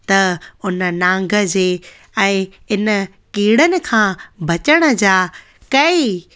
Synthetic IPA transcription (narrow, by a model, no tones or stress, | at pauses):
t̪ɐʊnə̆nãːŋ̆ɡʱə̆d͡ʑeː | ɛ̃ː | ɪnə̆ | kiːɽənɪ̆kʰãːbʱɐt͡ɕəɽ̃ə̆d͡ʑaː | kɐi